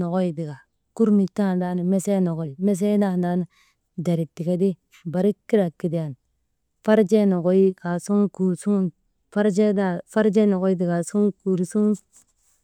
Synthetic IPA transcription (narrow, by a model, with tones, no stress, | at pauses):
no˨ɡo˦i˨di˨ɡa˨ | ku˦ɾni˨ta˦˨nda˦ni˨me˦se˦no˨ɡo˨i˨me˦s̬e˦da˦˨da˦ni˨˦ | da˨ɾi˨tːi˨ka˦di˦ | ba˨ɾi˦kːi˦ɾa˨ki˨di˨a˨n | fa˦ɾd͡ʒe˦no˨ɡo˦i˦ka˨su˦ŋku˨su˦ | fa˦ɾd͡ʒe˦da˦˨fa˦ɾd͡ʒe˦no˨ɡo˦i˦di˨ɡa˨su˦ŋku˨ɾi˨su˦